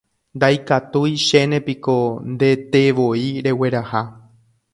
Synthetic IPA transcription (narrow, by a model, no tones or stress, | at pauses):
nd̪ajkat̪ujʃenẽ̞piko̞nd̪e̞t̪eʋoiɾe̞we̞ɾaha